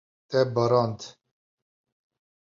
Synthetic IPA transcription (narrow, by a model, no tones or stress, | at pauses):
t̪ɛbəɾɑnt̪